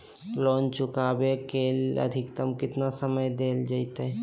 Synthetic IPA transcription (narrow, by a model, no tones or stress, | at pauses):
lɔːnt͡ʃʊkaːbekelə̰d̪ʱɪkt̪əmkɪt̪nasəməjd̪eːld͡ʒait̪ɛ